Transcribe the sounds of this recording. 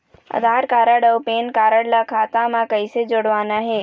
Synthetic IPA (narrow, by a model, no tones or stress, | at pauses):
ə̰d̪ʱaɾkaɾaɽəwpenkaɾaɽlakʰat̪amãkəjsed͡ʒoɽʋanaɦe